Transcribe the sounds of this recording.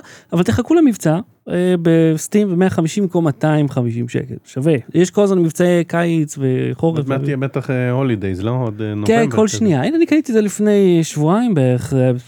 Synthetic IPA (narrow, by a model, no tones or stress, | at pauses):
avalt̪eχakulamivt͡sa | ebest̪imvemeaχamiʃimkomat̪aimχamiʃimʃḛkḛlʃavejeʃko̞lazmanmivt͡saekat͡sveχo̞ʁevaijɛbet̪aχeholid̪ejzloodnokenko̞lʃnijainanikanit̪izelifne̞jʃvuaimbeeeχe